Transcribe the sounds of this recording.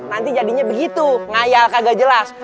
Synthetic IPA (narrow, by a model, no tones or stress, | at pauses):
nant̪id͡ʒadiɲabəɡit̪uŋajalkaɡad͡ʒəlas